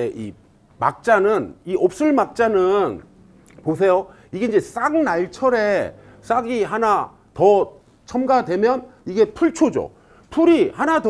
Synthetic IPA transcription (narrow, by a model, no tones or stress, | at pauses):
ei | ma̰k̚t͡ɕ͈anɯniop̚s͈ɯɭmak̚t͡ɕ͈anɯn | pos̬ʰe̞jo | iɡe̞ind͡ʑe̞s͈aŋnaɭt͡ɕʰʌɾe̞ | s͈aɡiɦana | tʌ | t͡ɕʰʌmɡadwe̞mjʌniɡe̞pʰuɭt͡ɕʰod͡ʑo̰ | pʰuɾihanatʌ